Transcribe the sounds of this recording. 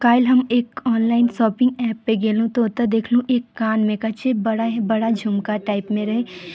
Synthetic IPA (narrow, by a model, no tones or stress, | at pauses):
kaːɪlɦɐmeːkɔːnlaːɪnsɔːpɪ̃ŋɡɛːpːeɡeːlũt̪oːt̪ad̪eːkʰlũʔeːkːaːnmẽkɐt͡ʃʰebɐɽabɐɽad͡ʒʱʊmkaʈaːɪpmẽɾɐɦẽː